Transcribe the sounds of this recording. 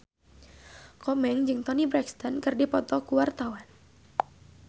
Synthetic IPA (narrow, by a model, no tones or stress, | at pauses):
kɔmɛŋd͡ʒɨŋt̪ɔnibɾɛkst̪ɔnkɨrdipɔt̪ɔkuwart̪awan